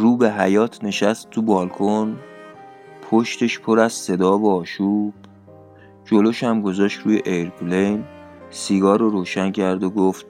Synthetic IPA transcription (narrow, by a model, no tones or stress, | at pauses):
ruːbe̞ɦæjɒːt̪ʰne̞ʃæst̪ːʰubɒːlkʰon | pʰoʃt̪ʰe̞ʃpʰo̞ɾæzse̞d̪ɒːvoɒːʃuːb̥ | d͡ʒo̞loʃæmɡo̞zɒːʃt̪ɾuːjeʔeɾblejn | siːɡɒːɾoɾoːʃæncʰæɾd̪oɡoft̪̚